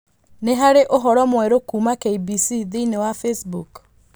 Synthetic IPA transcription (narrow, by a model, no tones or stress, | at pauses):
neɦaɾeʔoɦɔɾɔmwɛɾokumakeibisiðinewafesbuk